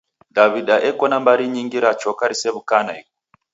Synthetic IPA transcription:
daβiɗaʔekonambaɾiɲiŋɡiɾat͡ʃokaɾiseβukanaik

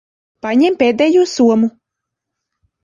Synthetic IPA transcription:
paɲɛmpeːd̪ɛːjuːsuɔmu

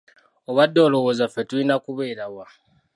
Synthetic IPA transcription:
o̞βwadːo̞ːlo̞wo̞ːzafetuinakuβeːɾawa

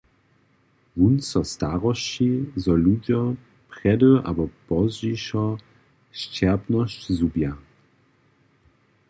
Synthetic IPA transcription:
vunsɔst̪aʁɔʃt͡ɕizɔlud͡ʑɔ | pʁ̥ɛdəʔa̰bɔpɔzʒiʃɔ | ʃt͡ʃɛʁpnɔɕt͡ɕzubja

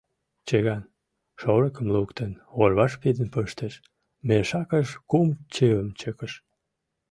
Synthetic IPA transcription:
t͡ɕeɣɑn | ʃoɾəkəmlukt̪ənorβɑʃpid̪ənpəʃt̪eʃ | meʃɑkəʃkumt͡ɕevəmt͡ɕəkəʃ

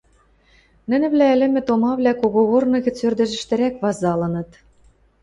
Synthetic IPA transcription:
nɘ̆nɘ̆βlæɘ̆lɘ̆mɘ̆t̪omɑβlʲækoɣoɣornɤ̆ɣɘ̆t͡sørd̪ɘ̆ʒɘ̆ʃt̪ɘ̆ɾækβɑzɑlɤ̆nɤ̆t̪

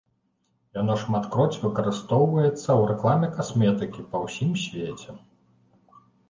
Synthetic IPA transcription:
janɔʂmat̪kɾɔt͡sʲvɨkɐɾɨst̪ɔwvɐjɛt̪sːɐwɾɛklˠamʲɛkasmʲɛt̪ɨkʲipɐwsʲimsʲvʲet͡sʲɛ

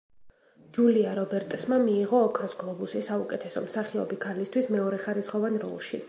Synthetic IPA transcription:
d͡ʒuliaɾɔbɛɾt̪ʼsmamiːʁɔːkʰɾɔsɡlˠɔbusisaukʼɛt̪ʰɛsɔ̰msaχiɔbikʰalist̪ʰwismɛɔɾɛχaɾisʁɔvanɾɔ̰lˠʃḭ

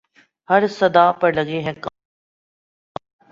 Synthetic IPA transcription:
hɐɾsɐd̪aːpɐɾlɐɡeɦɛ̃k

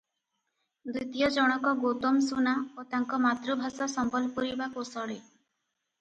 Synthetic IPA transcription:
d̪it̪ijɔd͡ʒɔɽ̃ɔkɔɡot̪ɔmsunaot̪aŋkɔmat̪ɾubʱasɔsɔmbɔlpuɾibakusɔɽe

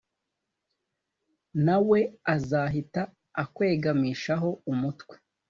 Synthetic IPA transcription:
nawe̞azaɦitaː | kwe̞ːɡamiːʃaɦo̞umutwe

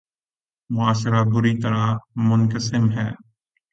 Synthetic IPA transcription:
mʊaːʃɾabʊɾit̪ɐɾamʊnkəsɪmɦɛː

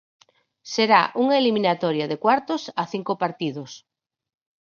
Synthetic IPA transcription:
seɾaʔuŋaelimĩnat̪ɔɾjaðekwaɾt̪osaθiŋkopaɾt̪iðos

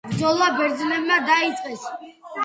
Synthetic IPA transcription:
bɾd̪zɔlˠabɛɾd̪zlɛbmad̪ait̪sʼqʼɛs

